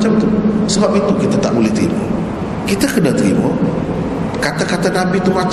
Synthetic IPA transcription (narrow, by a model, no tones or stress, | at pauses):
t͡ʃamt̪usəbap̚it̪ukit̪at̪a̰ʔbulɛht̪ɾḭmo̰ | kit̪akənat̪ɾḭmo | kat̪akat̪anabit̪umat͡ʃ